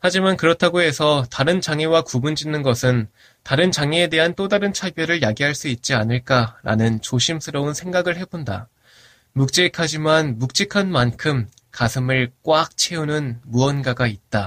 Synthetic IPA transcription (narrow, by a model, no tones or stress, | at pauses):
had͡ʑimankɯɾʌtʰaɡoe̞sʰʌtaɾɯnt͡ɕaŋewakubund͡ʑinːɯnɡʌsʰɯn | taɾɯnt͡ɕaŋeede̞ɦant͈odaɾɯnt͡ɕʰabjʌɾɯɭjaɡiɦaɭs͈uit̚t͡ɕ͈ianɯɭk͈aɾa̰nɯnt͡ɕoɕʰimsʰɯɾʌunsʰe̞ŋɡaɡɯɭhe̞bonda̰ | muk̚t͡ɕ͈ekʰad͡ʑimanmuk̚t͡ɕ͈ekʰanmankʰɯm | kasʰɯmɯɭk͈wak̚t͡ɕʰe̞unɯnmuʌnɡaɡait̚t͈a